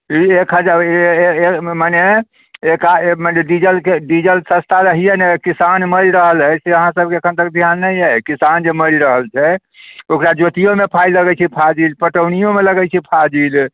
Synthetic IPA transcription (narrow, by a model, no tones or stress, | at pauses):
iekɦəd͡ʒa | maneː | kamaneɖid͡ʒəlkeɖid͡ʒəlsə̃st̪ʰaɾəɦijɛnɛkisanməɾiɾəɦəlɦəjseəɦãsəb̚ʱkeəkʰənt̪ək̚d̪ʱjanːəjɛkisand͡ʒeməɾiɾəɦəlt͡ʃʰɛ | okɾad͡ʒot̪ijomepʰajləɡɛt͡ʃʰipʰad͡ʒilpəʈəwnijomeləɡɛt͡ʃʰipʰad͡ʒil